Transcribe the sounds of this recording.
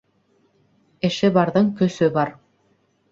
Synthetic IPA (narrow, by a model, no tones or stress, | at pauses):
ɘ̆ʃɘbɑɾðɤɴkɵ̆sɵbɑɾ